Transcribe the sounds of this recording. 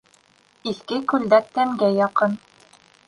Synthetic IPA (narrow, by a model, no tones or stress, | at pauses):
iθkɘkʉld̪æk̚t̪æŋɡæjɑqɤn